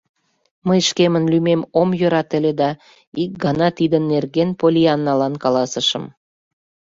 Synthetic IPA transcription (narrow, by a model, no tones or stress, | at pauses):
məjʃkemənlymemomjøɾɑt̪ə̆led̪ɑ | ik̚ɡɑnɑt̪id̪ənːerɣenpolʲiɑnːɑlɑnkɑlɑsəʃə̰̆m